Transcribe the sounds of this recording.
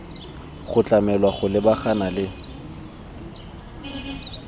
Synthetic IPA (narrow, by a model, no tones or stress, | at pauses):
χʊt͡ɬʼamɛlwaχʊlɪbaχanalɪ